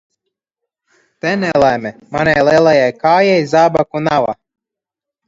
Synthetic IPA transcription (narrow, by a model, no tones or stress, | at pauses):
t̪ɛnɛlamʲɛmanʲajlˠelˠajajkaːjɛjzaːbakunava̰